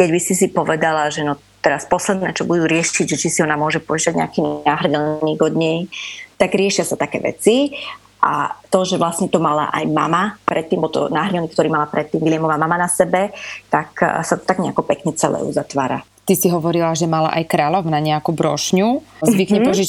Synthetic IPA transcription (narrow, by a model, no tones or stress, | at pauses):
kɛɟbisisipɔʋɛd̪alaʒɛnɔ | t̪ɛɾaspɔslɛd̪nɛːt͡ʃɔbud̪uːɾɪɛʃiɟʒɛt͡ʃisiɔnamʊɔʒɛpɔɛʃaɟɲɛ̰akiːnaɦr̩dɛlniːɡɔd̪ɲɛjt̪aɡɾɪɛʃɪasat̪akɛ̰ːʋɛ̰t͡si | ʔa̰t̪ɔʒɛʋlasɲɛt̪ɔmala̰ʔa̰jmamapɾɛt̪ːiːmbɔlt̪ɔ̰naɦrɲɛniːk̚t̪ɔɾiːmalapɾɛt̪ːiːmʋilɪɛmɔʋamamanasɛbɛt̪aksat̪ɔ̥t̪aɡɲɛakɔpɛkɲɛt͡sɛlɛ̰ːṵzat̪ʋaːɾa̰ | t̪isiɦɔʋɔɾilaʒɛmala̰ʔajkɾaːʎɔʊnaɲɛakubɾɔʃɲuzʋikɲɛpɔʒi